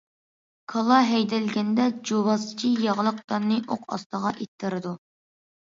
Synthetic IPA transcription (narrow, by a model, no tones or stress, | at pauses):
kʰɑlˠɑɦɛjd̪ɛlɡʲɛnd̪ɛd͡ʒoβɑsɨ̥t͡ʃʰijɑʁlˠəq̚t̪ɑnːɨʔoqʰɑ̰st̪əʁɑʔet̪ʰːɨɾɨd̪u